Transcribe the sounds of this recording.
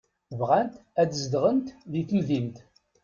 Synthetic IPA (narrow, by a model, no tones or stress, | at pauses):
vʁænt̪æd̪əzd̪ʁənt̪ðiθəlðimt̪